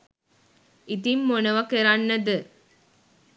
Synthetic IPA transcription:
it̪imːonɐʋɐkeɾanːɐd̪ɨ

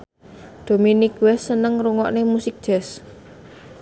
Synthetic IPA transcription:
d̪̥o̤minɪkwɛsːənəŋruŋɔʔnemusɪk̚d̥ʒ̥ɛs

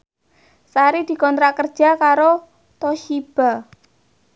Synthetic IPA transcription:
saɾid̪̥i̤kɔnt̪ɾakərd̥ʒ̥a̤kaɾo | t̪oʃib̥a̤

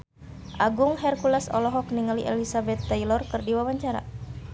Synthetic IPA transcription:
ʔaɡuŋɦɛrkulasɔ̰lɔɦɔkniŋaliʔɛlisabɛt̪ːajlɔrkɨrdiwawaɲt͡ʃaɾa̰

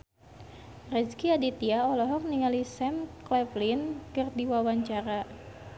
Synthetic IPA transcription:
rɛskiadit̪iaɔlɔɦɔk̚niŋalisɛmklɛplinkɨrdiwawaɲt͡ʃaɾa

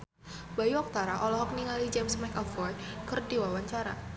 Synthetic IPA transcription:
b̥ajuɔk̚t̪aɾaʔɔlɔɦɔk̚niŋalid͡ʒɛmsmakɔfɔjkərdiwawaɲt͡ʃaɾa̰

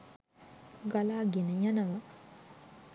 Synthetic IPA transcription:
ɡalaːɡenəjanɐʋɐ

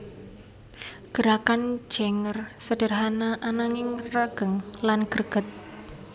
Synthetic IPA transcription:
ɡ̥ə̤ɾakan̥d͡ʒ̥eŋərsəd̥ərɦanaʔanaŋɪŋraɡ̥əŋlanɡ̥ərɡ̥ə̤t̪̚

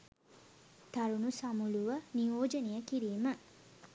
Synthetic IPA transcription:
t̪ɐɾunusɐmuluʋənijoːd͡ʒənijəkiɾiːmə

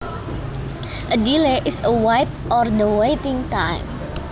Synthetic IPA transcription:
ʔədileʔɪsəwajt̪̚ʔɔrnowejt̪ɪŋt̪ajm

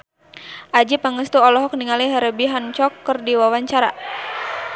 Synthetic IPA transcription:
ʔad͡ʒipaŋəst̪uɔlɔɦɔk̚niŋaliɦɛɾəbiɦant͡ʃɔkːərdiwawaɲt͡ʃaɾa

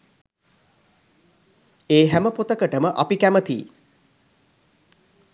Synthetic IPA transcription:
eːɦæməpot̪əkəʈəməʔɐpikæmət̪ḭː

